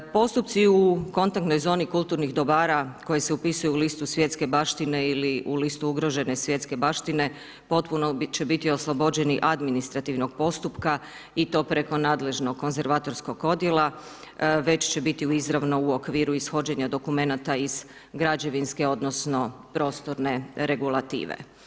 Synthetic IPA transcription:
po̞st̪up̚t̪siuko̞nt̪ak̚t̪no̞jzo̞ːnikulˠt̪uːɾnixd̪o̞baːɾako̞jeseupisujuːlist̪usʋje̞t̪ske̞baʃt̪ine̞iliʔulist̪uuɡɾo̞ʒe̞ne̞sʋje̞t̪ske̞baʃt̪ine̞ | po̞t̪punot͡ʃe̞bit̪io̞slˠobo̞d͡ʑe̞niʔad̪minist̪ɾat̪iʋno̞ɡ̥̚po̞st̪upka | it̪o̞ːpɾe̞ko̞naːd̪le̞ʒno̞ɡkːo̞nze̞ɾʋaːt̪o̞ɾsko̞ɡo̞d̪jelˠa | ʋe̞t͡ɕt͡ɕe̞bit̪iuizɾaʋno̞uokʋiːɾuisxo̞d͡ʑe̞ɲad̪o̞kume̞nat̪aiz̥ | ɡɾad͡ʑe̞ʋinske̞o̞d̪no̞sno̞pɾo̞ːst̪oɾne̞ɾe̞ɡulˠat̪ḭːʋḛ

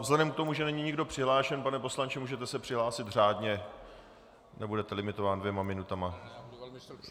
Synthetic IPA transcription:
vzlɛdɛmk̚t̪o̞muʒɛnɛɲiɲɪɡdo̞pr̝̥ɪɦlaːʃɛnpanɛpo̞slaɲt͡ʃɪmuːʒɛt̪ɛsɛpr̥ɪɦlaːsɪt̪r̝aːdɲɛ | nɛbudɛt̪ɛlɪmɪt̪o̞vaːndvjɛmamɪnut̪ama

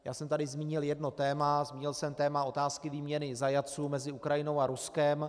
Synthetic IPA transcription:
jaːsɛmt̪adɪzmiːɲɪljɛdno̞t̪ɛːmazmiːɲɪlsɛmt̪ɛːmao̞t̪aːskɪviːmɲɛnɪzajat͡suːmɛzɪukɾajɪno̞waɾuskɛm

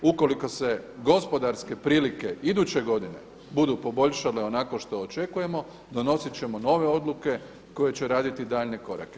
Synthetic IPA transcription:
uko̞liko̞se̞ɡo̞spo̞d̪aɾske̞pɾiːlike̞id̪uːt͡ɕe̞ɡo̞d̪ine̞̰ | bud̪upo̞bo̞ʎʃale̞o̞nakoʃt̪o̞ːt͡ʃe̞kuje̞mo̞ | d̪o̞no̞sit͡ɕe̞mo̞no̞ːʋe̞o̞d̪lˠuke̞ | ko̞je̞t͡ɕe̞ɾaːd̪it̪id̪aːʎne̞ko̞ɾa̰ke

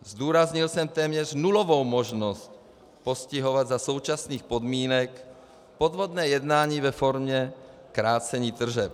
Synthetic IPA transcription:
zd̪uːɾazɲilsɛmt̪ɛːmɲɛʒnulɔʋɔwmɔʒnɔsc | pɔsciɦɔʋaɟzasɔʊt͡ʃasniːxpɔd̪miːnɛk | pɔd̪ʋɔd̪nɛːjɛd̪naːɲiːvɛfɔɾmɲɛ | kɾaːt͡sɛɲiːt̪r̩ʒɛp

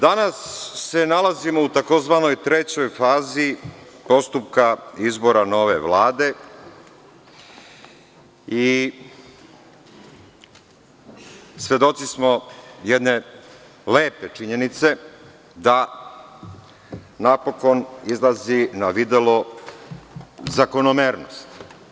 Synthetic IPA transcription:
d̪anasːe̞nalazimo̞ut̪ako̞zʋano̞jt̪ɾe̞t͡ɕo̞jfaːzi | po̞st̪upkaizbo̞ɾano̞ʋe̞̰ʋlaːd̪e̞ | i | sʋʲje̞d̪o̞t̪sismojed̪ne̞ | leːpe̞t͡ʃiɲe̞nit̪se̞ | d̪a | napo̞ko̞nizlˠazinaʋid̪elo | zako̞nomeːɾno̰st̪

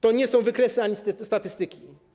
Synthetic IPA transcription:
t̪ɔɲɛsɔ̃w̃vɘkɾɛsɘaɲist̪st̪at̪ɘst̪ɘkʲi

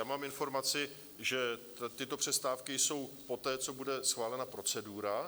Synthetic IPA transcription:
jaːmaːmɪnfo̞ɾmat͡sɪ | ʒɛ | t̪ɪt̪o̞pr̥ɛst̪aːfkɪjso̞wpo̞t̪ɛːt͡so̞budɛsxvaːlɛnapɾo̞t͡sɛduːɾa

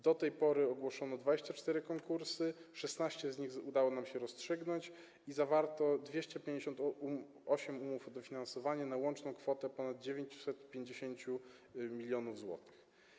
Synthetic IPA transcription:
d̪ɔt̪ɛjpɔɾɘɔɡwɔʂɔnɔd̪vad͡ʑeɕt͡ɕat͡ʂt̪ɛɾɘkɔŋkuɾsɘʂɛsnaɕt͡ɕɛzɲixud̪awɔnamɕɛɾɔstʂɘɡnɔɲt͡ɕ | izavaɾt̪ɔd̪vʲjeɕt͡ɕɛpʲjẽɲd͡ʑeɕɔnt̪u | ɔɕɛmumufɔd̪ɔfʲinansɔvaɲɛnawɔnt͡ʂnɔ̃w̃kfɔt̪ɛpɔnad̪̚d͡ʑevʲeɲt͡ɕu̥sɛt̪pʲjeɲd͡ʑeɕeɲt͡ɕu | mʲilʲjɔnuvzwɔ̰t̪ɘ̥x

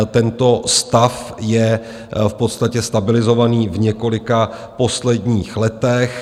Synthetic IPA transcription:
t̪ɛnt̪o̞st̪afjɛ | fpo̞t̪st̪acɛst̪abɪlɪzo̞vaniːvɲɛko̞lɪka | po̞slɛdɲiːxlɛt̪ɛx

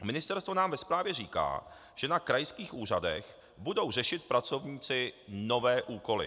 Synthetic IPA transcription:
mɪnɪst̪ɛɾst̪vo̞naːmvɛspɾaːvjɛriːka̰ː | ʒ̥ɛnakɾajskiːxʔuːr̝adɛ̰x | budo̞wr̝ɛʃɪt̪̚pɾat͡so̞vɲiːt͡sɪno̞vɛːʔuːko̞lɪ̰

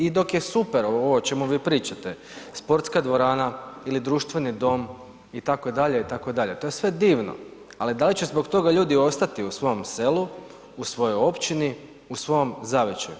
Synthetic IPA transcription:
id̪o̞kjesupeɾoooːt͡ʃe̞muʋiːpɾiːt͡ʃat̪e | spo̞ɾt̪skad̪ʋo̞ɾaːnailid̪ɾuːʃt̪ʋe̞nid̪o̞m | it̪akod̪aʎe̞it̪ako̞d̪aʎe̞t̪o̞je̞sʋe̞d̪iːʋno̰ | alid̪alit͡ɕezbo̞kt̪o̞ɡaʎuːd̪io̞st̪at̪iusʋo̞omse̞lu | usʋo̞jojo̞pt͡ʃini | usʋo̞jomzaʋet͡ʃa̰jṵ

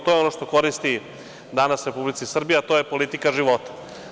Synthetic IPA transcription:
t̪ojeo̞noʂt̪o̞ko̞ɾist̪i | d̪anasɾe̞publit̪sisr̩bijeat̪o̞ːjepo̞lit̪ikaʒiʋo̞t̪ḁ

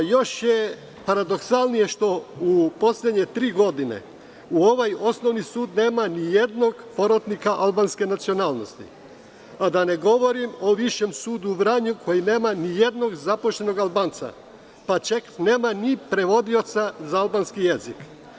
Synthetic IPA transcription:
jo̞ʃje | paɾad̪o̞ksalˠnije̞ʃt̪o̞upo̞sʎed̪ɲe̞t̪ɾiːɡo̞d̪inḛ | uo̞ʋajo̞sno̞ʋnisuːd̪ne̞ːmanijed̪no̞ɡpo̞ɾot̪nikaʔalbanske̞nat̪sio̞naːlno̞st̪ḭ | ad̪ane̞ɡo̞ʋo̞ɾimo̞ʋiʃe̞msuːd̪uʋɾaɲukʰo̞jine̞ːmanije̞d̪no̞ɡzapoʃt̪e̞no̞ɡalˠbaːnt̪sa̰ | pat͡ʃekne̞ːmanipɾe̞ʋo̞d̪io̞t̪sazaalˠbanskijezik

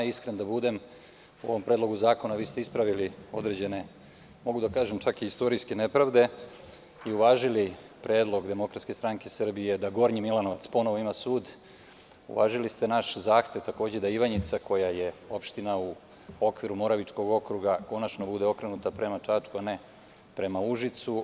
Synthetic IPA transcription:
iskɾend̪abud̪e̞m | uo̞ʋo̞mpɾed̪lo̞ɡuzaːko̞naʋiːst̪e̞ispɾaʋilio̞d̪ɾed͡ʑe̞ne̞ | mo̞ɡud̪akaːʒemt͡ʃakiist̪o̞ɾijskenepɾaʋd̪e̞ | iuʋaːʒili | pɾʔe̞ːd̪lˠo̞ɡd̪e̞mo̞kɾat̪skest̪ɾaŋke̞sr̩bije̞d̪aɡo̞ɾɲimilano̞ʋat̪spo̞noʋoimasuːd̪ | ṵʋa̰ːʒilist̪e̞naʃzaːxt̪e̞ʋt̪ako̞ːd͡ʑed̪aiʋaɲit̪sako̞jaje̞o̞pʃt̪inau | o̞kʋiɾumo̞ɾaʋit͡ʂko̞ɡo̞kɾuɡako̞nat͡ʃnobud̪e̞o̞kɾe̞nut̪apɾe̞mat͡ʂat͡ʂkuane | pɾe̞mauʒit̪su

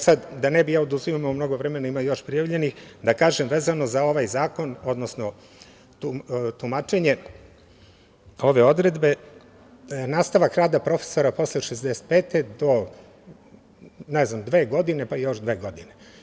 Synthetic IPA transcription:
sad̪d̪anebijaːod̪usijomumno̞ɡo̞ʋɾemenaimajo̞ʃpɾijaʋʎe̞nixd̪akaːʒemʋeːzano̞zao̞ʋajzaːko̞no̞d̪nosno̞ | t̪ut̪umat͡ʃeɲe̞ | o̞ʋe̞o̞d̪ɾe̞d̪be̞ | naːst̪aʋakɾaːd̪apɾo̞fe̥so̞ɾapo̞sleʃezd̪ese̥t̪̚peːt̪ed̪o̞ | nɛznamd̪ʋe̞ːɡo̞d̪ine̞paijo̞ʃd̪ʋeːɡo̞d̪ine

